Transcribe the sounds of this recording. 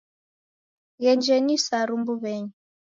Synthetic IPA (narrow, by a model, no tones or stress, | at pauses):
ɣɛɲd͡ʒɛnisaɾumbuβɛɲi